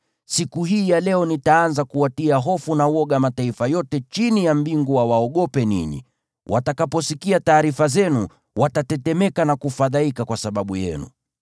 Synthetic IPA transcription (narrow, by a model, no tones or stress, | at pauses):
sikuɦiːjalɛɔnitaanzakuatiaɦɔfunawɔɠamataifajɔtɛt͡ʃinijambiŋɡuwawaɔɠɔpɛnḭɲḭ | wʔa̰takapɔsikiataːɾifazɛnu | watatɛtɛmɛkanakufaðaikakwasaɓaɓujɛ̰nṵ